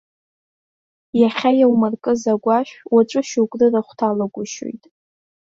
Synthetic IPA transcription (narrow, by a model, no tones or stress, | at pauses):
jaχʲajawmarkʼɨzaɡʷaʃᶣwaʈ͡ʂʷʼɨʃukʷʼrɨraχʷtʰalaɡʷʊʃo̰jtʼ